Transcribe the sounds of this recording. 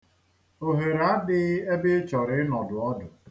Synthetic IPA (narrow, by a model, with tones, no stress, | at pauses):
o˨ɦe˨ɾa˦dɪ˦ɣe˦be˦t͡ʃɔ˨ɾɪ˨˦nɔ˨dʊ˨ɔ˦dʊ˨